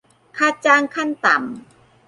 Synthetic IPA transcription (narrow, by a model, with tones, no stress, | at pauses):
kʰaː˧˩t̪̚t͡ɕaː˧ŋkʰa˥˩nt̪a˨˩˦m